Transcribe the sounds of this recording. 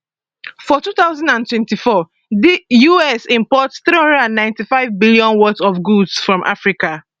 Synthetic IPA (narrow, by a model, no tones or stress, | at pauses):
fɔtuːθaʊzãndãntwɛ̃ntifɔ | dijuɛsĩmpɔtsθɾihʌ̃ndɛdãnːãɪ̃ntifaɪvbiliɔ̃nwɔtɔfɡudsfɹɔ̃mʔa̰fɹika